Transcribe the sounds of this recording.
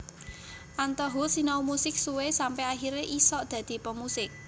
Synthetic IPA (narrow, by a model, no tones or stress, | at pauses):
ʔant̪ɔɦusinaumusɪk̚suwesampɛaɦiɾeʔisɔʔd̪̥ä̤d̪̥i̤pəmusɪk̚